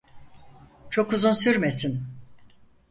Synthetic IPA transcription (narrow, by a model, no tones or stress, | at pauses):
t͡ʃʰo̞kuzunsyɾmesin